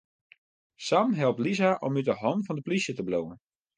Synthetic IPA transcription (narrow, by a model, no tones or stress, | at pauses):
samɦɛlˠptlizaʔɔmytəɦɔnfɔndəplisjətəblowən